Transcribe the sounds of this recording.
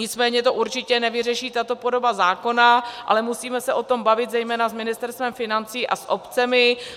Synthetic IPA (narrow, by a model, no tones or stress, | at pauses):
ɲɪt͡smɛːɲɛt̪o̞ʔuɾt͡ʃɪcɛnɛvɪrɛʃiːt̪at̪o̞po̞do̞bazaːko̞naʔa̰lɛmusiːmɛsɛʔo̞t̪o̞mbavɪt̪zɛjmɛːnasmɪnɪst̪ɛɾst̪vɛmfɪnant͡siːʔa̰sʔopt͡sɛmɪ